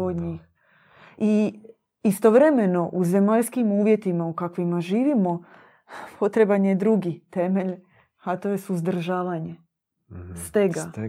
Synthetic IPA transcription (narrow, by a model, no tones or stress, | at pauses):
od̪ɲix | i | ist̪o̞ʋɾe̞me̞no̞ʔuze̞maʎskimuːʋje̞t̪imaukakʋimaʒiːʋimo̞ | pʰo̞t̪ɾebanjed̪ɾuɡit̪e̞meʎ | at̪o̞je̞suzd̪r̩ʒaːʋaɲe | st̪eɡa